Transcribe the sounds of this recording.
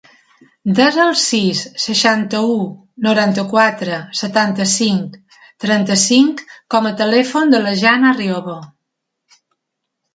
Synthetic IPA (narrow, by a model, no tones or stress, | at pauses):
d̪ɛzəlˠsisːəʃant̪əu | nuɾant̪əkwat̪ɾəsət̪ant̪əsiŋk | t̪ɾɛnt̪əsiŋkːɔmət̪əlɛfond̪ələʒanərioβo